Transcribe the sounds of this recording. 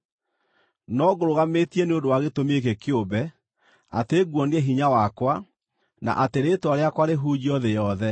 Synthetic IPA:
nɔɣoɾoɣametiɛneondowaɣetomek̬ekjobɛ | a̰teɣwɔneɛɦiɲawakwa | na̰ʔateɾetwaɾeakwaɾeɦud͡ʑiɔðejɔðɛ

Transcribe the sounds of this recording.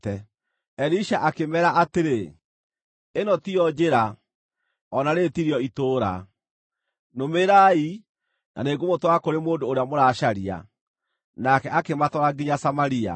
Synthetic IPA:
ɛ | ɛɾiʃaʔakemɛɾaʔateɾe | enɔtiɔd͡ʒeɾa | ɔnaɾetiɾjɔitoːɾa̰ | nomeɾai | na̰neːɡomotwaakoɾemoːndoːɾeamoɾaʃaɾia̰ | nakɛakematɔɾaɡiɲasamaɾia̰

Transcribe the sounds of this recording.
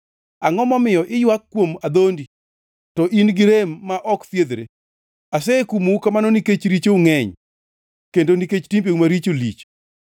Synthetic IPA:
aŋɔmɔmɪjɔʔɪjwakːwomad̪ondi | tɔʔinɡɪɾemːaʔɔkfjed̪ɾe | asɛkumukamanɔniket͡ʃɾit͡ʃoŋɛɲ | kendoniket͡ʃtimpemaɾit͡ʃolḭt͡ʃ

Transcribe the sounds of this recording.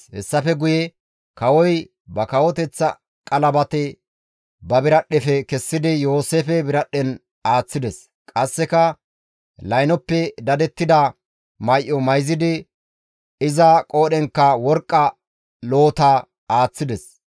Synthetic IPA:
hɛ̰sːɐfɛɡʊjɛ | kɐwɔj | bɐkɐwɔt̪ɛt͡sːɐ | kʼɐlɐbɐt̪ɛ | bɐbɪɾɐɗːɛfɛkɛsːɪd̪ɪjoːseːfɛbɪɾɐɗːɛn | aːt͡sːɪd̪ɛs | kʼɐsːɛkɐ | lɐjnɔpːɛd̪ɐd̪ɛt̪ːɪd̪ɐ | mɐjʔɔmɐjzɪd̪ɪ | ɪzɐkʼo̞ːɗɛŋkːɐwɔɾkʼːɐ | loːt̪ɐ | aːt͡sːɪd̪ɛs

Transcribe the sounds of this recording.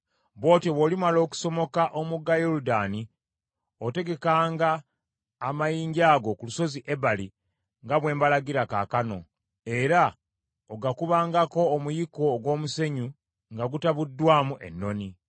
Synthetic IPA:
βo̞ːteβolimalo̞ːku̥so̞mo̞kaʔomuɡajoɾudaːni | ote̞ɡe̞kaːŋɡaː | majiːɲɟaːɡo̞kuluso̞ziʔe̞βali | ŋɡaβwe̞ːmbalaɡiɾaka̰ːkano̞̰ | e̞ɾa | oɡakuβaːŋɡako̞ːmujiko̞ɡwo̞ːmuse̞ɲu | ŋɡaɡutaβudːwaːmuʔe̞̰nːo̞ni

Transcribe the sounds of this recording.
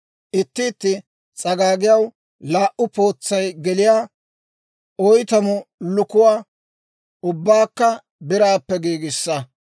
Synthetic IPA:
ʔɪt̪ːɪːt̪ːɪ | t͡sʼɐɡaːɡɪjɐw | laːʔʊpo̞ːt͡sːɐjɡɛlɪjaː | ɔjt̪ɐmʊlʊkʊwaː | ʊbːaːkːɐ | bɪɾaːpːɛɡiːɡɪsːɐ

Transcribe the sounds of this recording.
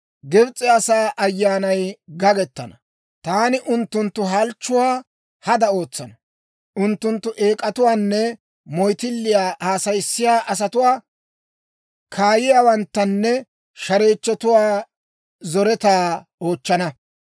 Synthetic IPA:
ɡɛbt͡sʼːɛɐsaːʔɐjːaːnɐjɡɐɡɛt̪ːɐnɐ | t̪aːnɪʔʊnt̪ːʊnt̪ːʊɦɐlt͡ʃːʊwaː | hɐd̪ɐo̞ːt͡sːɐnɐ | ʔʊnt̪ːʊnt̪ːʊʔeːkʼɐt̪ʊwaːnːɛ | mɔjt̪ɪlːɪjaːhaːsɐjsːɪjaːʔɐs̬ɐt̪ʊwaː | kʰaːjɪjaːwɐnt̪ːɐnːɛ | ʃɐɾe̞ːt͡ʃːɔt̪ʊwaː | zɔɾɛt̪aːo̞ːt͡ʃːɐnɐ

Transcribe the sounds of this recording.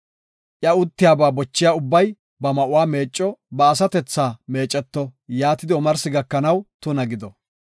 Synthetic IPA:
ʔjɐʊt̪ːɪjaːbaːbɔt͡ʃːɪjaːʊbːɐj | bɐmɐʔʊwaːme̞ːt͡ʃʼːɔbɐːs̬ɐt̪ɛt͡sːaːme̞ːt͡ʃʼːɛt̪ːɔjaːt̪ɪd̪ɪɔmɐɾsɪɡɐkːɐnɐwt̪ʊnɐɡɪd̪ɔ

